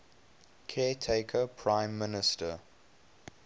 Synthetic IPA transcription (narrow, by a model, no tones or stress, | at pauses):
kʰɛːtʰeɪkʰəpʰɹãɪ̃mːɪnɪstə